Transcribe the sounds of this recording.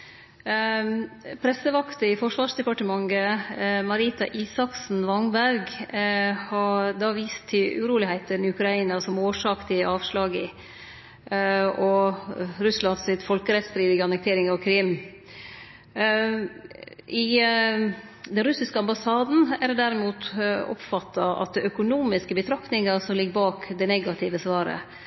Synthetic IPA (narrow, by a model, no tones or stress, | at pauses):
pʰɾɛsːəʋɑkt̪əɪfɔʂʋɑːʂd̪ɛpɑʈəmɑŋːəmɑɾiːt̪ɑʔiːsɑksn̩ʋɑŋbæɾɡ | hɑd̪ɑʋiːst̪ʰːɪʉɾuːlɪhæɪt̪ənɪʉkɾɑiːnɑsɔmoːʂɑːkt̪ʰɪɑːʋʂlɑːɡɪ | ɔ | ɾʉslɑnsɪt̪fɔlkəɾɛt̪sd̪ɾiːʋ̪ɪɡəɑnək̚t̪ʰeːɾɪŋɑʋkʰɾɪm | ʔɪ | d̪ɛnɾʉsɪskəɑmbɑsɑːd̪n̩æɾd̪æɾɪmuːt̪ɔ̰pfɑt̪ʰːɑɑ̰t̪̚d̪ɛœkʊnuːmɪskəbət̪ʰɾɑkt̪nɪŋəsɔmlɪɡːbɑːkd̪ɛnɛɡɑt̪ʰɪʋəsʋɑːɾə̰